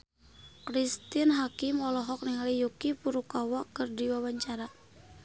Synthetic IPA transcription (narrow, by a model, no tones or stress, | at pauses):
kɾist̪inɦakimɔlɔɦɔk̚niŋalijukipuɾukawakɨrdiwawaɲt͡ʃaɾa